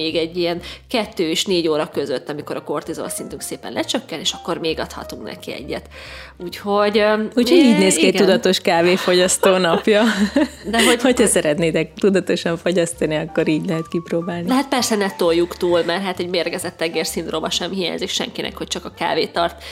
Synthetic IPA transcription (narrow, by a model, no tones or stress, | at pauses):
eːɡɛɟːiɛnkɛt̪ːøːeʃneːɟoːɾɒkø̞zøt̪ːɒmiko̞ɾɒko̞rt̪izo̰ːsint̪yŋkseːpɛ̰nlɛt͡ʃøkːɛneːʃɒkːo̞rmeːɡɒt̪hɒ̰t̪uŋknɛ̰kiɛ̰ɟːɛ̰t̪ | uːcho̞ɟuːchoɟiːɟneːskiɛc̚ɡt̪ud̪ɒt̪o̞ʃkaːveːfo̞ɟɒst̪oːnɒpjɒd̪ɛɦoho̞chɒsɛɾɛt̪neːt̪ɛk̚t̪ud̪ɒt̪o̞ʃɒɱfo̞ɟɒst̪ɒniɒkːo̞ɾiːɟlɛɦɛt̪kiproːbaːlniɛɦɛt̪̚pɛrsɛnɛt̪ojːukt̪uːlmɛrɦaːt̪ɛɟmeːrɡɛzɛt̪ːɛɡeːrsint̪ro̞bɒʃɛmhija̰ːɲzikʃɛ̰ŋkinʔɛ̰khoc̚t͡ʃɒkɒka̰ːveːt̪ɒrt̪